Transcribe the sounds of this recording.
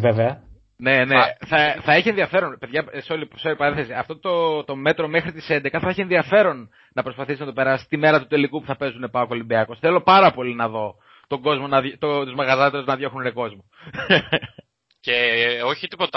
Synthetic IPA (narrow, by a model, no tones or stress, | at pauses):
veveɐ | ne̞neθɐθɐiçienðiɐfe̞ɾo̞npe̞ðʝɐseo̞lipseoɾipɐɾenθesiɐft̪o̞t̪ot̪o̞me̞t̪ɾo̞me̞xɾit̪i̥send̪e̞kɐθɐeçienðiɐfe̞ɾo̞nː | ɐpɾospɐθisinɐt̪o̞pe̞ɾɐsi̥t̪ime̞ɾɐt̪ut̪e̞likupu̥θɐpe̞zune̞pɐoko̞limbiɐkosθe̞lo̞pɐɾɐpo̞linɐðo̞ | t̪oɡo̞zmo̞nɐðt̪ot̪uzmɐɣɐzɐt̪eɾuznɐðʝo̞xuneko̞zmo | ceo̞çit̪ipo̞t̪ɐ